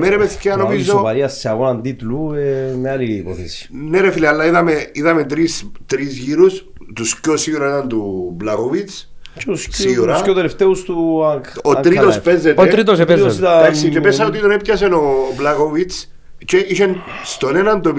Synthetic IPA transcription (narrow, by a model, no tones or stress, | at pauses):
meɾepeθceanomiizopɐɾiɐsːeɐɣonand̪it̪luemealipoθḭsi̥neɾefilialːaiðɐmeiðɐmet̪ɾist̪ɾizʝiɾus | t̪uscosiuɾaenant̪ublakovit͡s | t͡ʃeusciuɾaskot̪eleft̪eust̪uakoŋɾiosspezet̪oeɾit̪̬osepeosiðaaksit͡ʃepeɐot̪it̪onepcɐs̬enoblakovit͡s | t͡ʃeʔiʃenst̪onenɐnd̪op